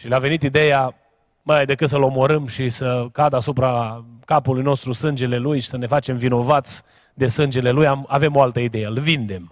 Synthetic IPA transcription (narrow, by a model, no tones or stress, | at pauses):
ʃileave̞nit̪id̪e̞ja | majajd̪e̞kɨt̪səlo̞mo̞ɾəmʃisəkad̪əasupɾakapulujno̞st̪ɾusɨnd͡ʒe̞le̞lujʃi̥səne̞fat͡ʃe̞mvino̞vat̪sʲ | d̪e̞sɨnd͡ʒe̞le̞lujamave̞mo̞alt̪əid̪e̞jelvind̪e̞m